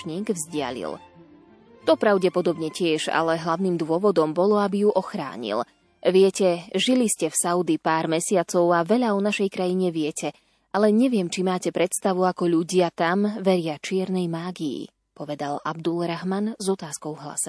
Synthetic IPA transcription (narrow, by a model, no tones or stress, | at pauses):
ɲiːɡvzɟɪa̰ʎḭl | t̪ɔpɾaʊɟɛpɔd̪ɔbɲɛcɪɛʒa̰lɛɦlaʊniːmd̪ʊɔʋɔd̪ɔmbɔlɔabijuʔɔxɾa̰ːɲḭl | ʋɪɛcɛʒiliscɛfsaʊd̪ipaːɾmɛsɪat͡sɔʊaʋɛʎaɔnaʃɛjkɾajiɲɛʋɪɛcʰɛ | ʔalɛɲɛʋɪɛmt͡ʃimaːcɛpɾɛt̪st̪aʋuakɔʎuɟɪat̪amʋɛɾɪat͡ʃɪɛɾnɛjmaːɡiḭ | pɔʋɛd̪ala̰bd̪ulɾaɦmanzɔt̪aːskɔʊvɦla̰sɛ